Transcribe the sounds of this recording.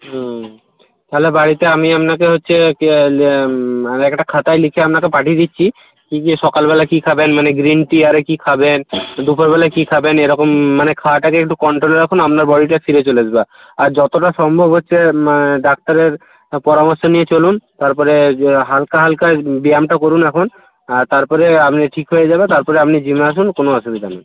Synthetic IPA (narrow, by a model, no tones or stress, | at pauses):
t̪aɦlebaɽit̪eamiamnakeɦotːɕʰe | ɛkʈakʰat̪ajlikʰeamnakepaʈʰid̪itːɕʰi | kikiʃɔkalbɛlakikʰabenmaneɡɾinʈiaɾekikʰabend̪upʰoɾbɛlakikʰabeneɾɔkomːanekʰawaʈakeɛk̚ʈukɔɳʈɾoleɾakʰonamnaɾbɔɽiʈafʰiɾet͡ɕoled͡ʑba | aɾd͡ʑɔt̪oʈaʃɔmbʱobʱɦotːɕʰeɖak̚t̪aɾeɾ | pɔɾamoɾʃonijet͡ɕolunt̪aɾpɔɾeɦalkaɦalkajbiamʈakoɾunɛkʰon | at̪aɾpɔɾeapniʈʰikɦojed͡ʑabet̪aɾpɔɾeapnid͡ʑimaaʃ̬unkonoasod̪it̪ana